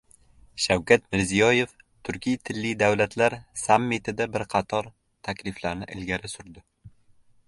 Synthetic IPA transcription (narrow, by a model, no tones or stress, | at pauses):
ʃawkʲat̪mɪɾzijɒje̞f | t̪ʰʊɾkʲijt̪ʰɪlːɪd̪awlat̪ʰlaɾsamːit̪ʰɪd̪abɪɾqʰɑt̪ʰɒɾ | t̪ʰakʲlɪflaɾnɪʔɪlɡʲaɾɪsʊɾd̪ɪ